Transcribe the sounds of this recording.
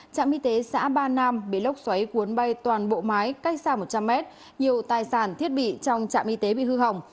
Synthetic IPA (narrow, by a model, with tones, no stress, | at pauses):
t͡ɕa̰ː˧˨mʔi˧t̪e˨˦sa̰ː˧˥ɓaː˧naː˧mɓḭ˧˨lə˦˥wk͡p̚swa˨˦jku˨˦ənɓa˧jt̪waː˨˩nɓo̰˧˨maː˨˦jka˦˥jk̟̚saː˧˩mo˨˩t̚t͡ɕa˧mːɛ˦˥t̚ | ɲi˨˩əwt̪aː˨˩jsaː˧˩nt̪ʰi˦˥ət̚ɓḭ˧˨t͡ɕɔ˧wŋ͡mt͡ɕa̰ː˧˨mʔi˧t̪e˨˦ɓḭ˧˨hɨ˧ɦə˨˩wŋ͡m